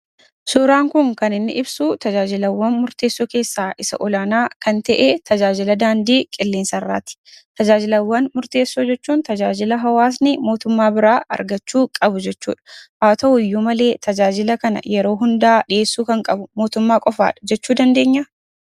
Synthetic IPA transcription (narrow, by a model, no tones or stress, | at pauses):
suːɾaːŋkʊŋkɐnɪnːɪ̰ʔɪbsut̪ɐd͡ʒaːd͡ʒɪlɐwːɐnmʊɾt̪eːsːoːke̞ːsːaːʔɪsɐ̰ʔɔlaːnaːkɐnt̪ɛʔet̪ɐd͡ʒaːd͡ʒɪlɐd̪aːnd̪iːkʼɪlːeːnsɐrːa̰ːt̪ɪ̥t̪ɐd͡ʒaːd͡ʒɪlɐwːɐnmʊɾt̪e̞ːsːoːd͡ʒɛt͡ʃːuːnt̪ɐd͡ʒaːd͡ʒɪlɐɦɐwaːs̬nɪmoːt̪ʊmːaːbɪɾaːʔɐ̰ɾɡɐt͡ʃːuːkʼɐbʊd͡ʒɛt͡ʃːṵːᶑɐ̥ʔaːt̪ɐʊjːuːmɐle̞ːt̪ʰɐd͡ʒaːd͡ʒɪlɐkɐnɐ̰jɛɾo̞ːɦʊnd̪ɐaːᶑɪʔe̞ːsːuːkɐŋkʼɐbʊmoːt̪ʊmːaːkʼɔfa̰ːᶑɐ̥d͡ʒɛt͡ʃːuːd̪ɐnd̪e̞ːɲːɐ